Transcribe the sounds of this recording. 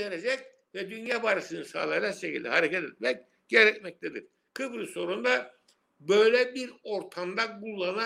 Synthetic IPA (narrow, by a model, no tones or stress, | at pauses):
eɾed͡ʒɛc̚ | vɛd̪ynjaːbaɾɯʃɯnɯsa̰ːlˠaad͡ʒakʃecḭlʲd̪ɛ̰ɦaɾekcɛt̪ɛt̪̚mɛc̚ | ɟ̥eɾɛcmɛc̚t̪ʰɛd̪ḭɾ̥ | kʰɯbɾɯso̞ɾund̪a | bø̞jlʲɛbiɾo̞ɾt̪ʰamd̪aɡulˠːana